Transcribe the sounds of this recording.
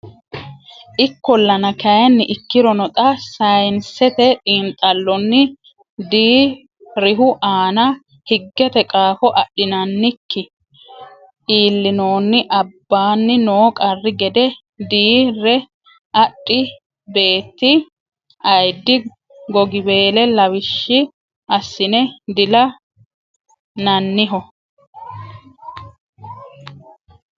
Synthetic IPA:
ʔɪkːɔlːɐnɐkɐjɐnːɪʔɪkːɪɾɔnɔt̪ʼɐsɐjnsɛt̪ɛt̪ʼiːnt̪ʼɐlːɔnːɪ | d̪iː | ɾɪɦʊʔaːnɐ | hɪɡːɛt̪ɛkʼaːfɔʔɐɗɪnɐnːɪkːɪ | iːlːɪno̞ːnːɪʔɐbːaːnːɪnoːkʼɐrːɪɡɛd̪ɛ | d̪iːrːɛ | ʔɐɗʼːɪ | be̞ːt̪ːɪ | ɐjd̪ːɪ | ɡɔɡɪbe̞ːlɛlɐwɪʃːɪ | ʔɐsːɪnɛd̪ɪlɐ | nɐnːɪɦɔ

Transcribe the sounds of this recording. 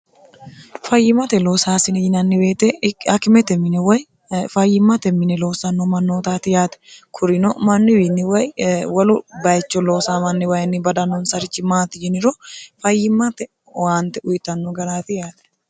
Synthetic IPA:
fɐjːɪmɐt̪ɛlo̞ːsaːsɪnɪjɪnɐnːɪbe̞ːt̪ɛɐkɪmɛt̪ɛmːɪnɛwɐj | fɐjːɪmːɐt̪ɛmːɪnɛlo̞ːsɐnːɔmɐnːoːt̪aːt̪ɪjaːt̪ɛ̥kʰʊɾɪnɔmɐnːɪwinːɪwɐjwɐlʊbɐjɛt͡ʃːɔlo̞ːsaːmɐnːɪwɐjɐnːɪbɐd̪ɐnːɔnsɐɾɪt͡ʃːɪmaːt̪ɪd͡ʒɪnɪɾɔfɐjːɪmːɐt̪ɛ | waːnt̪ɛʊjɪt̪ːɐnːɔɡɐɾaːt̪ɪjaːt̪ɛ̥

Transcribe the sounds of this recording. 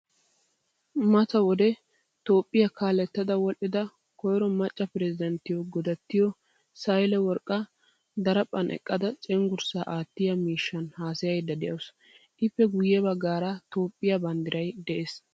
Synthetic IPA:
mɐt̪ɐwɔd̪ɛ | t̪o̞ːpʼːɪjɐkaːlɛt̪ːɐd̪ɐwɔʔɪd̪ɐ | kɔjɾɔmɐt͡ʃʼːɐpɪɾɛzɪd̪ɛnt̪ɪjɔɡɔd̪ɐt̪ːɪjɔ | sɐjlɛwɔɾkʼːɐ | d̪ɐɾɐpʼːɐnʔɛ̰kʼːɐd̪ɐt͡sʼɛŋɡʊɾsaːʔaːt̪ːɪjɐmiːʃːɐnhaːsɪjɐjd̪ɐd̪ɛjɐws | ʔɪfːɛɡʊjːɛbɐɡːaːɾɐt̪o̞ːpʼːɪjɐbɐnd̪ɪɾɐjd̪ɛʔeːs

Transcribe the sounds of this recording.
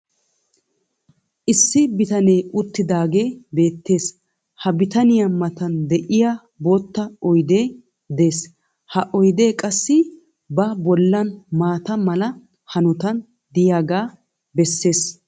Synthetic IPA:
ʔɪsːɪbɪt̪ɐnejʔʊt̪ːɪd̪aːɡe̞ːbe̞ːt̪ːe̞ːs | hɐbɪt̪ɐnɪjɐmɐt̪ɐnd̪ɛʔɪjaː | bot̪ːɐɔjd̪e̞ː | d̪e̞ːs | hɐʔɔjd̪e̞ːkʼɐsːɪ | bɐbɔlːɐnmaːt̪ɐmɐlɐ | hɐnʊt̪ɐn | d̪ɪjaːɡaː | bɛsːe̞ːs

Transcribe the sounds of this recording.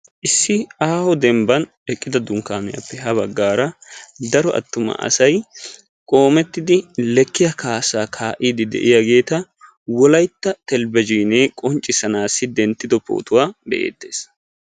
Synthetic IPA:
ʔɪsːɪaːhɔd̪ɛmbɐn | ɛkʼːɪd̪ɐd̪ʊŋkaːmɛjɐ̰pːɛɦɐβɐɡːaːɾɐd̪ɐɾɔʔɐ̰t̪ːʊmɐ̰ʔɐ̰sɐj | kʼo̞ːmɛt̪ːɪd̪ɪlɛkːɪjɐkaːsaːkʰaːʔiːd̪ɪd̪ɛ̰ʔɪjaɡe̞ːt̪ɐ | wɔlɐjt̪ːɐt̪ɛlbɛd͡ʒiːneːkʼɔnt͡ʃʼːɪsɐnaːsːɪd̪ɛnt̪ːɪd̪ɔpo̰ːt̪ʊwaːbɛ̰ʔḛːt̪ːe̞̥̰ːs

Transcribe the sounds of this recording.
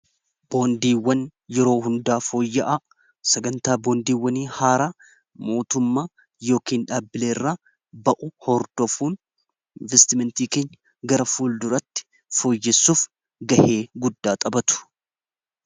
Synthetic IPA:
b̥o̞ːnd̪iːwːɐnjɛɾo̞ːɦʊnd̪aːfo̞ːjːɐʔa | sɛɡɐnt̪aːbo̞ːnd̪iːwːɐniːhaːɾa | mo̞ːt̪ʊmːaː | jo̞ːkiːnᶑaːbɪleːrːaː | bɐʔʊhɔɾd̪̥ɔfuːn | ɪnvɛst̪ɪmɛnt̪iːkeːɲːɐ | ɡɐɾɐfuːld̪ʊɾɐt̪ːɪ̥ | fo̞ːjːɛsːuːf | ɡɐhe̞ːɡʊd̪ːaːt̪ʼɐbɐt̪ʊ̥

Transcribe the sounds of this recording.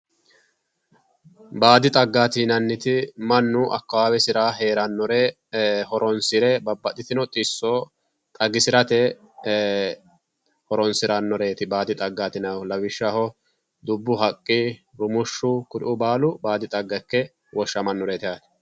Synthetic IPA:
baːd̪ɪt̪ʼɐɡːaːt̪iːnɐnːɪt̪ɪmɐnːʊʔɐ̰kːɐwaːwɛsɪɾaːɦe̞ːɾɐnːɔɾe | hɔɾɔnsɪɾɛbɐbːɐt̪ʼɪt̪ɪnɔt̪ʼɪsːoː | t̪ʼɐɡɪsɪɾɐt̪ɛ | hɔɾɔnsɪɾɐnːɔɾeːt̪ɪbaːd̪ɪt̪ʼɐɡːaːt̪ɪnɐlɐwɪʃːɐhɔ | d̪ʊbːʊɦɐkʼːɪɾʊmʊʃːʊkʊɾɪ̰ʔʊbaːlʊbaːd̪ɪt̪ʼɐɡːɐkːɛ | wɔʃːɐmɐnːɔɾet̪ɛjaːt̪ɪ̥

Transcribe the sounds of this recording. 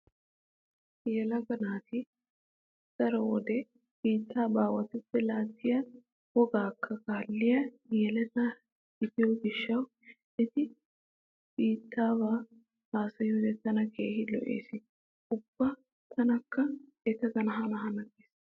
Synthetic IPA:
jɛlɐɡɐnaːt̪ɪ | sɐɾɐɔd̪ɛ | b̥iːt̪ʰːaːbaːwɐt̪ɛtːɛlaːt̪ːɪjɐ | wɔɡaːkʰːɐkaːlːɪjɐjɛlɛt̪ɐ̥ | ɪt̪ɪjɔɡɪʃːɐw | ɛt̪ɪ | b̥iːt̪ʰːaːbaː | haːsɐjuːd̪ɛt̪ɐnɐkeːɦɪlɔ̰ʔḛːsɪ | ʊb̥ːɐ | t̪ʰɐnɐkːɐ | ɛt̪ɐɡɐnɐɦɐnɐɦɐnɐɡeːs

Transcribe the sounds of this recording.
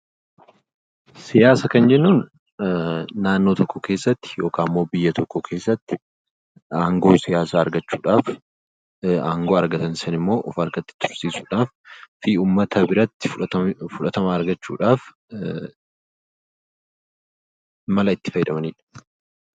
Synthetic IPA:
sɪjaːsɐkɐnd͡ʒɛnːuːn | naːnːo̞ːt̪ɔkːɔke̞ːsːɐt̪ːɪ̥jo̞ːkaːmːo̞ːbɪjːɐt̪ɔkːɔkʰe̞ːsːɐt̪ːɪ | aːŋɡo̞ːsɪjaːsaːɐɾɡɐt͡ʃːuːᶑaːf | aːŋɡo̞ːɐɾɡɐt̪ɐnsɐnɪmːo̞ːʔɔfɐɾɡɐt̪ːɪ̥t̪ʊɾsiːsuːᶑaːf | fiːuːmːɐt̪ʰɐbɪɾɐt̪ːɪfʊᶑɐt̪ɐmɐːɾɡɐt͡ʃːṵːᶑaːf | mɐlɐɪt̪ːɪ̥fɐjɪd̪ɐmɐniːᶑɐ̥

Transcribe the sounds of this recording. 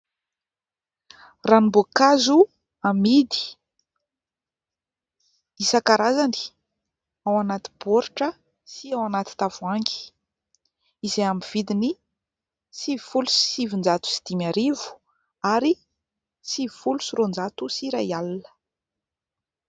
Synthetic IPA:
ranimbokazu | amid̪i̥ | isakaɾazani̥ | awanat̪i̥boɾiʈ͡ʂə | siawanat̪i̥t̪avuaŋɡi̥ | izeamiv̥id̪ini | sivifulusi̥sivind͡zat̪u̥si̥d̪̥imaɾivu̥ | aɾi | sivifulusirond͡zat̪usiɾajalnə̥

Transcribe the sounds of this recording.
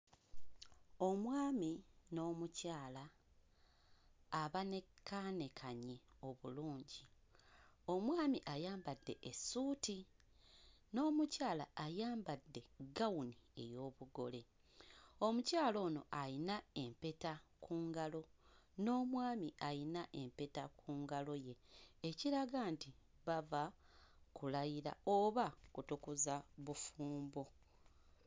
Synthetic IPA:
o̞mwaːmino̞ːmucaːla | βanekʰane̞kʰaɲe̞o̞βuluːɲɟi | o̞mwaːmiʔajaːmbadːe̞̰ʔesuːti | no̞ːmucaːla̰ːjaːmbadːe̞ɡawunie̞̰jo̞ːβuɡo̞le̞ | o̞mucaːlo̞ːno̞̰ʔalinae̞mpe̞takuːŋɡalo̞ | no̞ːmwaːmiʔajinaʔe̞mpe̞takʰuːŋɡalo̞je̞ːciɾaɡaːnti | βava | kulajiɾa̰oβakutukuzaβufuːmbo

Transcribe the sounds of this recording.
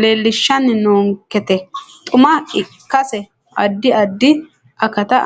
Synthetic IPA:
le̞ːlːɪʃːɐnːnoːŋkːɛt̪ɛt̪ʼʊmɐɪ | kːɐsɛ | ʔɐd̪ːɪʔɐd̪ːɪ | ɐkɐt̪ɐ

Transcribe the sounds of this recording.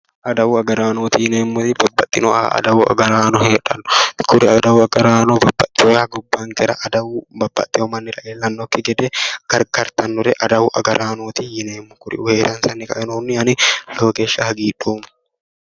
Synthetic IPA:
ʔɐd̪ɐwʊɐɡɐɾaːnoːt̪ijɪneːmːʊt̪ɪbɐbːɐt̪ʼːɪnɔʔɐ̰d̪ɐwʊɐ̰ɡɐɾaːnɔheːᶑɐnːʊkʰʊɾɪɐd̪ɐwʊɐɡɐɾaːnɔbɐbːɐt̪ʼːɪɔaɡʊbːaːŋkɛɾɐʔɐd̪ɐwbɐbːɐ̰t̪ʼːɪɔmɐnːɪɾɐʔeːlːɐnːɔkːɪɡɛd̪ɛɡ̥ɐɾkɐɾt̪ɐnːʊɾɛʔɐd̪ɐwʊʔɐ̰ɡɐɾʔaːnoːt̪ijɪneːmːʊkʊɾɪ̰ʊheːɾɐnsɐnːɪkɐ̰ʔɛnoːnːɪɐnɪjoːɡeːʃːɐhɐɡiːᶑuːmɐ̥

